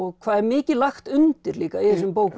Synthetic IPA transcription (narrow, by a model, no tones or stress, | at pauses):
ɔɣkʰvaːðɛɾmɪːcɪðlaxt̪ʏnt̪ɪɾliːkaiθɛs̬ʏmpoːwk